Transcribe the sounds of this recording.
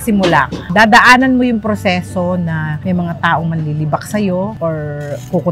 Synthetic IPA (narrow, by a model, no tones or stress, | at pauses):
sɪmʊlad̪aːd̪ɐʔaːnɐnmojʊŋpɾosɛːso̞nɐmɐjmɐŋat̪aːʔo̞ŋmɐnlilibɐk̚sɐjo̞ʔoɹkukʊ